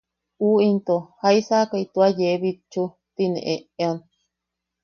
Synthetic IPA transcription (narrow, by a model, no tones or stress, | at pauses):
uːint̪ohaisakait̪uajeβit͡ʃu | t̪inḛ̃ʔeeon